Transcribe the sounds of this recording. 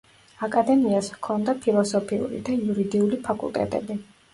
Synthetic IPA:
akʼad̪ɛmiaskʰɔnd̪apʰilˠɔsɔpʰiṵɾḭd̪aiuɾid̪iulipʰakʼṵlˠt̪ʼɛ̰t̪ʼɛ̰bi

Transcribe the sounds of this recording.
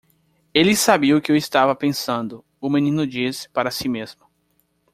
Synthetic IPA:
elɪsabiɐʊkɪewɪst̪avɐpẽsɐ̃nd̪ʊ | ʊmẽnĩnʊd͡ʒisɪ̥paɾɐsimezmʊ

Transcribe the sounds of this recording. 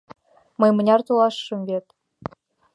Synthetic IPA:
mɤ̆jmɤ̆nʲɑrt̪ulˠɑʃːɤ̆mvʲet̪

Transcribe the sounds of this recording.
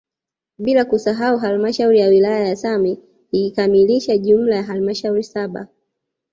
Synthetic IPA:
ɓilakusaɦauɦalmaʃauɾijawilajajasami | ikamiliʃaʄum̩lajaɦalmaʃauɾisaɓa̰

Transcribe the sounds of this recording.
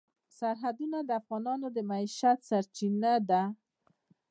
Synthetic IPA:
saɾɦad̪unad̪əafɣɑnɑnod̪əmaiʃat̪saɾt͡ʃinad̪a

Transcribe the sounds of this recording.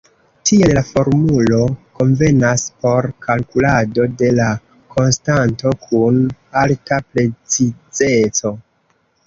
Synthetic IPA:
tielafo̞ɾmulo̞ko̞ɱve̞naspo̞ɾkalkulado̞de̞la | kʰo̞nstanto̞kʰunaltapɾe̞t͡sid͡ze̞t͡so̞

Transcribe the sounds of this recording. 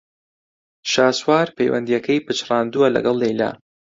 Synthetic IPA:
ʃaːswaːɾpʰḛjwɐ̰nd̪ijɛkʰɛjpɨt͡ʃrˤɑːnd̪uwɐlɐ̰ɡɐlˠːejla̰ː

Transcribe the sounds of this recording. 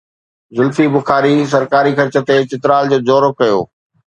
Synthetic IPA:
zʊlfibʊxaːɾis̬ɐɾkaːɾikɐɾt͡ɕə̆t̪et͡ɕɪt̪ɾaːld͡ʑoːd͡ʑoːɾokɐjo̰ː

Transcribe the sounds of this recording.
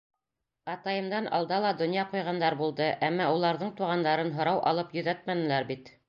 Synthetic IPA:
ɑt̪ɑjɤ̆md̪ɑnʔɑ̰lˠd̪ɑlˠɑd̪ŏnjɑqujʁɑnd̪ɑɾbulˠd̪ɤʔæmːɑulˠɑɾðɤɴt̪uʁɑnd̪ɑɾɤnɦŏɾɑwʔɑ̰lˠɤpjɵ̆ðæt̪̚mænɘ̆læɾbit̪

